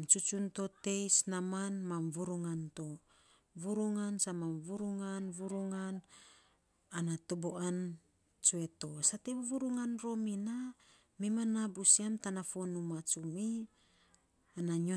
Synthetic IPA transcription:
mt͡ʃut͡ʃunto̞te̞jsnamanmamvuɾuŋanto | vuɾuŋansamamvuɾuŋanvuɾuŋan | anatoboʔan | t͡ʃue̞to̞satevuɾuŋanɾo̞mina | mimanabusiamtanafonumat͡ʃumi | anaɲo

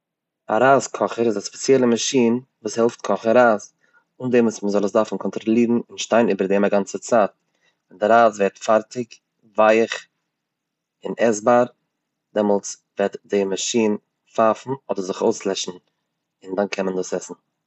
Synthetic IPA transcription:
a̰ɾaːskʰɔχəɾɪzaspɛ̥t͡sjɛlˠəmaʃiːnvuːshɛlˠft̚kʰɔχəɾaːz | ʊndɛmusməzɔlˠəsdaɾfn̩kʰɔntɾɔlˠiːɾn̩ɪnʃtaɪnyːbəɾdɛːmaɡant͡sət͡saːt̚ | ɪndɪɾaːzvɛɾtfaɾtɪk | vaɪχ | ɪnɛzbaɾ | dɛmɔlˠs | vɛtdɪmaʃiːn | fafn̩ɔdəɾzɪχoʊslˠɛʃn̩ | ɪndankʰɛnməndusɛsn̩

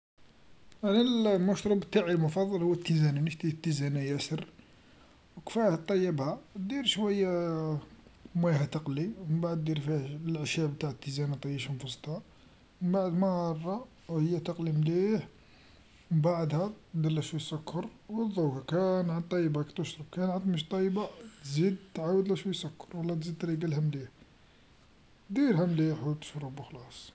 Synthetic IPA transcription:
aʕnilmʊʃɾˤɑbət̪ːaʕilmʊfɑd̪ˤːɑlhʊwːət̪ːizæninəʃt̪it̪ːizænæjæsər | wkfæht̪ˤːɑjːəbhæd̪iɾʃwæjːæ | mæhæt̪əqliməmbaʕd̪d̪iɾfilʕʃæbt̪aʕt̪ːizænæt̪ˤɑjəʃmfɑsˤt̪hɑ | məmbaʕəd̪mɑhɑrˤːɑ | həjːæt̪ɑqlimliħ | baʕd̪hæd̪əlːæʃwujsəkʰːəɾwəd̪ˤːuhkænʕənt̪ˤːɑjbækæt̪əʃɾˤəb̚kænʕant̪ˤməʃt̪ˤːɑjbat̪zid̪̚t̪ʕawəd̪læʃwəsəkːə̥ɾwəlːæt̪zid̪̚t̪ɾiɡəlhæmliħ | d̪iɾhæmliħwt̪ə̥ʃɾubəxlɑsˤ

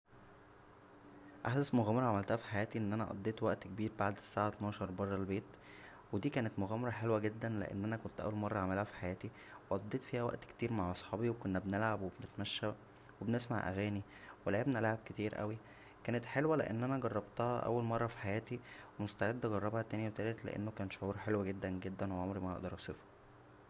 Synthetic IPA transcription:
ʔaħd̪æsmoɣæːmɑɾˤɑʕamælt̪æhæfi̥ħajæːt̪iʔenːʔænæʔɑ̰d̪ˤːeːt̪wæʔt̪kebiːɾbaʕd̪sːaːʕat̪nɑːʃɑɾˤbɑrˤːɑlbeːt̪ | wed̪iːkæːnet̪moɣæːmɑɾˤɑħelwæɡed̪ːænlḛʔḛnːʔænækont̪ʔæ̰wːælmɑrˤːɑʕamælhæfi̥ħajæːt̪i | weʔɑd̪ˤːeːt̪fiːhæwæ̰ʔt̪kt̪iːɾmaʕʔɑsˤħɑːbiwekonːæbnelʕabwebenet̪mæʃːæ | webenesma̰ʕʔæ̰ɣæːni | welʕebnelʕab̚ket̪iːɾʔæ̰wi | kæːnet̪ħelwælḛʔḛnːʔænæɡɑrˤːɑbt̪ɑhɑʔæ̰wːælmɑrˤːɑfi̥ħajæːt̪iwemost̪aʕed̪ːæɡɑrˤːɑbhæt̪æːnjæwet̪ælet̪lḛʔḛnːokæːnʃoʕuːɾħelwæɡed̪ːænɡed̪ːænweʕomɾimæʔɑ̰ʔd̪ɑɾˤʔɑsˤefo̥

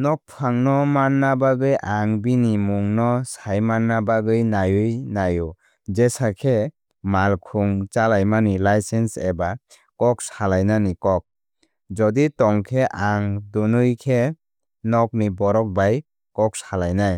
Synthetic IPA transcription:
nɔk̚pʰaŋnɔmanːabaɡɯjʔaŋbinimuŋnɔsajmanːabaɡɯjnajɯjnajɔ | d͡ʒesakʰe | malkʰuŋt͡ʃalajmanilajsenseba | kɔk̚salajnanikɔk̚ | d͡ʒɔditɔŋkʰeʔaŋdunɯjkʰe | nɔk̚nibɔɾɔk̚baj | kɔk̚salajnaj

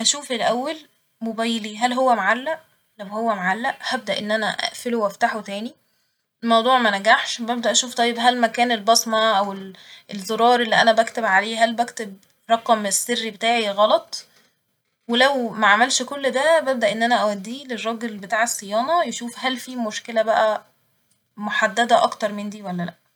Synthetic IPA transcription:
hæʃuːfelʔæwːæl | mobæjliɦælɦowːæmaʕalːæʔ | læwhowːæmaʕalːæʔhæb̚d̪æʔenːʔænæʔæ̰ʔfelowæft̪aħot̪æːni | mɑwd̪ˤuːʕmænæɡaħʃbæb̚d̪æʔæʃuːft̪ˤɑjːebɦælmækæːnelbɑsmæʔæwelʔelzoɾˤɑːɾˤʔelːiʔænæbækt̪ebʕaleːɦælbækt̪eb̚ | ɾˤɑqɑmesːerːibet̪aːʕiɣɑlɑt̪ˤ | welæwmæʕamælʃkolːd̪æbæb̚d̪æʔenːʔænæʔæwæd̪ːiːlerˤːɑːɡelbet̪aːʕesːejɑːnɑjeʃuːfhælfiːmoʃkelæbæʔæ | moħad̪ːæd̪æʔɑ̰kt̪ɑɾˤmend̪iːwælːælæʔ

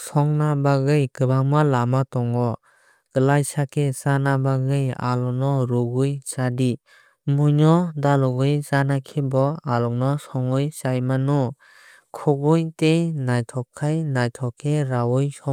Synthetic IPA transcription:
sɔŋnabaɡɯjkɯbaŋmalamatɔŋɔ | ɡ̥ɯlajsakʰesanabaɡɯja̰lɔnɔɾuɡujsadi | mujnɔdalɔɡɯjzanakʰibɔalɔknɔsɔŋɯjsajmanɔ | kʰɔɡujtejnajtʰɔkʰːajnajtʰɔkʰeɾawɔjsɔ

